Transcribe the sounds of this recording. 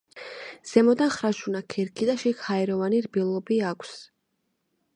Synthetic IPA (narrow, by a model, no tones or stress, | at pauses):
z̥ɛmɔd̪anχɾaʃunakʰɛɾkʰid̪aʃikhaɛɾɔvaniɾbilˠɔbiakʷʰs